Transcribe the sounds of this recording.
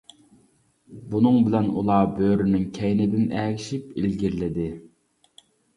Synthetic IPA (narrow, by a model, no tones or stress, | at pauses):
bunɨŋbɪlɛnṵlˠɑːbøːɾynɪŋkʲʰɛjnɪd̪ɪnɛːkʲʰiʃipilɡʲiɾlɪd̪ɪ